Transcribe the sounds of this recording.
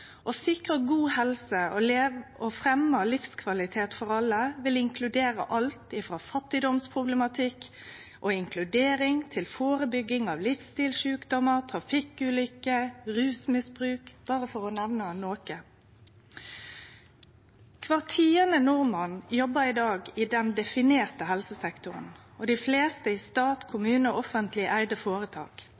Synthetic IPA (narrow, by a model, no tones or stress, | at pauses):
ʔosɪkʁəɡuːhɛlsəɔleofɾɛmːəlɪfskʰʋɑlɪt̪ʰeːt̪fɔʁɑlːəʋɪlɪŋkʰlʉd̪eːɾə̰ʔɑlt̪ɪfɾɑːfɑt̪ːɪd̪ɔmspʰʁʊblɛmɑt̪ʰɪk | ʔoːɪŋkʰlʉd̪eːɾɪŋt̪ʰɪlfoːʁəbʏɡːɪŋɑːʋlɪfst̪ɪːlʃʉːkd̪ɔməʁt̪ʰɾɑfɪkʉːlʏkəʁʉːsmɪsbʁʉːkb̥ɑːʁəfɔʁɔnɛʋnənoːkə | kʰʋɑʁt̪ʰiːənənʊʁmɑnjɔbəɾɪd̪ɑːɡɪd̪ɛnd̪ɛfɪneːʁt̪əɦɛlsəsɛkt̪ʊʁə̰n | oːd̪ifleːst̪əiːst̪ɑːt̪kʰʊmʉːnəʔɔfənt̪ʰlɪʔæɪd̪əfoːɾət̪ʰɑ̰ːk